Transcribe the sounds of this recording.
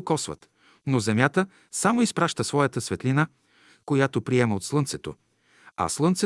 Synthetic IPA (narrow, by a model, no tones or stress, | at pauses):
kɔsvə̰t̪ | nozɛmjat̪ə | samoispɾaʃt̪əsvɔjət̪əsvɛt̪lina | kojat̪opɾiɛməot̪slˠɤnsɛt̪o | ɐ̰slˠɤnt̪sɛ